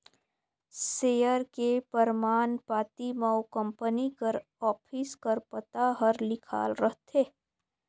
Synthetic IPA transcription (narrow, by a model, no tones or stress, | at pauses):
seːjəɾkepəɾmaːnpaːt̪imawkə̃mpənikəɾ | ɔːpʰiskəɾpət̪aɦəɾlɪkʰa̰ːlɾəɦt̪ʰeː